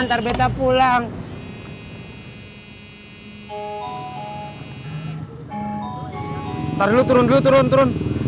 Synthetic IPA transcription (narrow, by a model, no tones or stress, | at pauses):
nt̪arbɛt̪apulaŋ | t̪aɾilut̪uɾʊndlut̪uɾʊnt̪uɾʊn